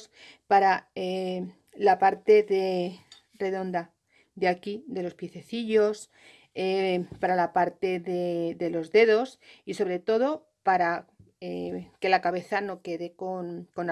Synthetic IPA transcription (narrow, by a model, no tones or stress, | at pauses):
s | paɾae | lapaɾt̪e̞ðe | re̞ðo̞nd̪a | d̪eakid̪e̞lo̞spjeθe̞θiʎo̞s | epaɾalapaɾt̪e̞ðe̞ðe̞lo̞zðe̞ðo̞siso̞βɾe̞t̪o̞ð̞o̞ | paɾa | eke̞lakaβ̞e̞θano̞ke̞ðe̞konko̞na